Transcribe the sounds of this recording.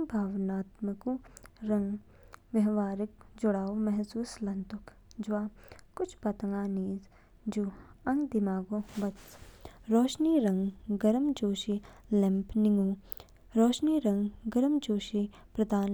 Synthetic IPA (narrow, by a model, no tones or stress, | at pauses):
bʱaːʋnaːt̪məkuɾɐ̃ŋɡ | ʋɐɦʋaːɾɪk̚d͡ʒʊɽaːomɛɦsuːslɐ̃nt̪ʊk | d͡ʒʋaːkʊt͡ʃʰpɐt̪əŋɡaːniːz | d͡ʒuɐ̃ŋɡd̪ɪmaːɡõbɐt̪sɾɔːʃniːɾɐ̃ŋɡɡɐɾmd͡ʒoːʃilɪ̃mpnɪŋɡũː | ɾɔːʃniːɾɐ̃ŋɡɡɐɾəmd͡ʒoːʃi | pɾɐd̪aːn